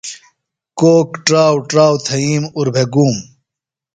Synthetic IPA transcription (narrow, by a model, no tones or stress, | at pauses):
koːkʈɾaːwʈɾaːwt̪ʰɐiːmuɾbʱeɡuːm